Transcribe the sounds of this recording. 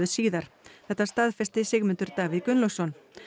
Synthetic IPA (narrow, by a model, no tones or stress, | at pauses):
ðʏsiːðaɾ̥θɛht̪ːast̪aðfɛst̪ɪsɪɣmʏnt̪ʏɾt̪aːvɪðkʏnlosɔn